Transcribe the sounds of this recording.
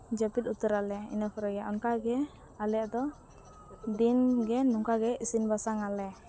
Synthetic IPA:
d͡ʒapit̪ut̪əɾalɛḭnafɾɔjaʔɔnkaɡɛ | alɛat̪ɔ | d̪inɡɛnuŋkaɡɛisinbasaŋalɛ

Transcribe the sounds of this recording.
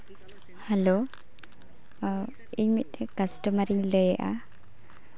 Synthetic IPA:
hɛlo | iɲmit̪̚ˀɛkasʈəmaɾiŋləjaʔa̰

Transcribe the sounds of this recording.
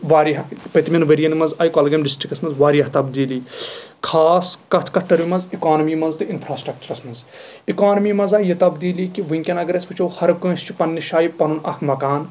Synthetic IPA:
ʋaːɾiɐpɐt̪imʲɐnʋɐɾijɐnimɐnzaːjkɐlɡɐmɖisʈɾikɐsmɐnzʋaːɾijɐɦt̪ɐbd̪iːlikʰaːskɐt̪ʰkɐʈːɐɾimɐnzikaːnɐmiːmɐnzt̪ɨinpʰɾaːsʈɾɐk̚t͡ʃɐɾɐsmɐnz | ikaːnɐmiːmɐzaːjet̪ɐbd̪iːlikiʋiŋkʲɐnɐɡɾespɨt͡ʃʰɐwhɐɾkɐ̃ːst͡ʃʰi̥pɐnːiʃaːjipɐnunɐ̰kʰmɐkaːn

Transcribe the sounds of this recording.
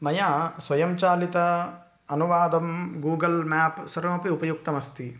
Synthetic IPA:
mɐjaːsʋɐjɐmt͡ʃaːlit̪ɐ | ɐnuʋaːd̪ɐmɡuːɡɐlmaːpsɐɾɐmɐpiupɐjuk̚t̪ɐmɐst̪i

